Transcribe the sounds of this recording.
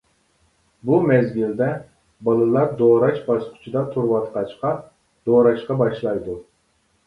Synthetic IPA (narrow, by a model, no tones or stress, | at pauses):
bumɛzɡʲild̪ɛ | bɑlˠɨlˠɑɾd̪oɾɑt͡ʃbɑsqʰʊ̥t͡ʃʰid̪ɑt̪ʰuɾwɑt̪qɑt͡ʃqɑ | d̪̥oɾɑt͡ʃqɑbɑʃlˠɑjd̪u